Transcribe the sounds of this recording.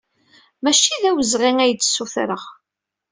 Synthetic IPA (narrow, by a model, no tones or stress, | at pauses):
mæʃiðæwəzʁiŋæjət͡sːsːuθɾəʁ